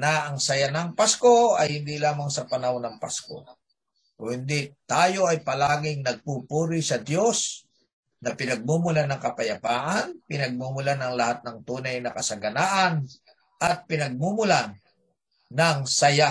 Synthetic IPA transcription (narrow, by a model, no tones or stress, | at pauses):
nɐʔɐŋsɐjanɐŋpasko̞ɐjhɪnd̪ilaːmɐŋsɐpɐnawnɐŋpa̰sko̞̰ | kʊnd̪it̪aːjo̞ɐjpɐlaːɡɪŋnɐɡ̚pupuːɾɪsɐd̪jo̞s | nɐpɪnɐɡ̚mumʊlanɐŋkɐpɐjɐpaːʔanpɪnɐɡ̚mumʊlanɐŋlɐhat̪̚nɐŋt̪uːnɐjnɐkɐsɐɡɐnaːʔɐn | ʔɐt̪̚pɪnɐɡ̚mumʊlan | nɐŋsɐja